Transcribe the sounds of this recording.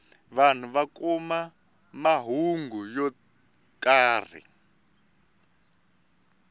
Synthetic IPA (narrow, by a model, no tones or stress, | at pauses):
βan̤uβakuma | maɦuŋɡujɔ | kaːr̤ḭ